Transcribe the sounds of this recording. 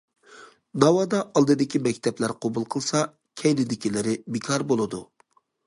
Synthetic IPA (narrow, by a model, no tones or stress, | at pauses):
nɑwɑd̪ɑʔɑlˠd̪ɨd̪ɪkʲʰimɛkʲt̪ʰɛplæɾqʰobulˠqʰəlˠsɑ | kʲʰɛjlɪd̪ɪkʲilɪɾɪbɪkʰɑɾbolˠɨd̪u